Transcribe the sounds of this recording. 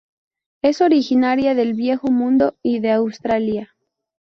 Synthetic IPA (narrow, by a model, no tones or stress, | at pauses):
e̞so̞ɾixinaɾjaðe̞lβje̞xo̞mũnd̪o̞iðe̞awst̪ɾalja